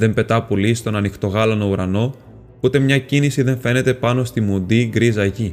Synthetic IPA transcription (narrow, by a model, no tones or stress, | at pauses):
ðe̞mpe̞t̪ɐpolist̪o̞nɐnixt̪o̞ɣɐlɐno̞uɾɐno̞ | ut̪e̞mɲɐcinisiðe̞ɱfe̞ne̞t̪e̞pɐno̞st̪imund̪iɡɾizɐʝi